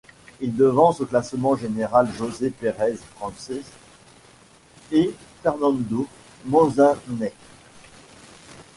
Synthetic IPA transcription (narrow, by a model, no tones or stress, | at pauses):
ild̪əvɑ̃soklasmɑ̃ʒeneʁalʒozepeʁɛzfχɑ̃sɛz | efɛʁnɑ̃nd̪o | mɔ̃zɛ̃nɛ